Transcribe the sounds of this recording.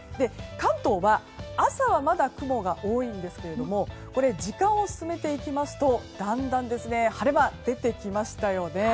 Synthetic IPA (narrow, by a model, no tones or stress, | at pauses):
d̪e̞kãnt̪o̞ːβa | asaβamad̪akɯ̟mo̞ɡaʔoːĩnd̪e̞sɨ̥ke̞ɾe̞d̪o̞mo̞ | ko̞ɾe̞d͡ʑikãɰ̃o̞sɨ̥sɨme̞t̪e̞ikʲimasɨ̥t̪o̞d̪̥ãnd̪ãnd̪e̞sɨne̞haɾemad̪e̞t̪e̞kʲimaɕi̥t̪ajo̞ne̞